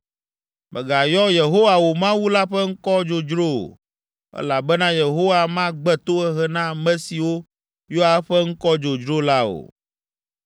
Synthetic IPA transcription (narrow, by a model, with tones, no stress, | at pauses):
mʔɛ˨ɡa˨jɔ˦je˨ɦo˦wa˨wo˨mã˦wu˦la˦ɸɛ˦ŋ̩˦kɔ˦d͡ʒo˨d͡ʒɾo̰˦˨ | ɛ̰˦la˨bɛ˦nã˦je˨ɦo˦wa˨mã˦ɡ͡bɛ˦t̪o˦ɛ˦ɦɛ˦nã˦mɛ̃˦si˨wo˦ | jo˦a˦ɸɛ˦ŋ̩˦kɔ˦d͡ʒo˨d͡ʒɾo˦la˦o̰˨